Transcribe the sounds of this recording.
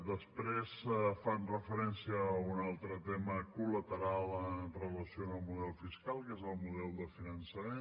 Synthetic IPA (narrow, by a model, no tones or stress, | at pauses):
d̪əspɾesfanrəfəɾɛnsiəːunalˠt̪ɾət̪ɛməkulət̪əɾalˠənrələsionəlˠmuðɛlˠfiskalˠkɛzəlˠmuðɛlˠd̪əfinənsəme